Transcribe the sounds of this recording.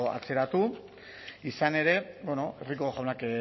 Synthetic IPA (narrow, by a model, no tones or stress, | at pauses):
a̰t͡se̞ɾat̪u | isane̞ɾe̞beno̞e̞rikoxawnak